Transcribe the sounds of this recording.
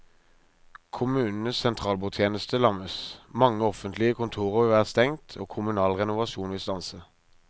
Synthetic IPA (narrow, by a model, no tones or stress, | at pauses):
kʰʊmʉːnn̩əssɛnt̪ʰʁɑːlbuːt̪ʰjeːnəst̪əlɑməsmɑŋːəɔfənt̪lɪəkʰʊnt̪ʰuːʁəʁʋɪʋæːʁst̪ɛŋt̪ʰoːkʰʊmʉnɑːlʁɛnʊʋɑʃuːnʋɪlst̪ɑnsə